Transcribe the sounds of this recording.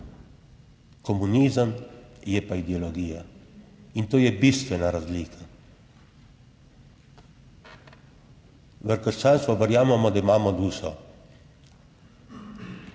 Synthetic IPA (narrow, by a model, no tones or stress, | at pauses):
kɔmuniːzəmjɛpaid̪ɛɔlɔɡiːja | int̪oːjɛbist̪ʋɛnaɾazliːkʰa | ʋəɾkəɾʃt͡ʃaːnst̪ʋɔʋəɾjaːmɛmɔd̪aimaːmɔd̪uːsɔ